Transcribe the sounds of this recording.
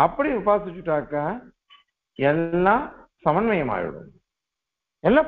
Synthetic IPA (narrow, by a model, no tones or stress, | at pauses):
ɐpːɐɽiʋɪbaːsɪt͡ʃːɯʈːaːkːaː | ɛlːãːsɐmɐnmɐjɐma̰ːɻɪ̰ɽɯ̰m | ɛlːaː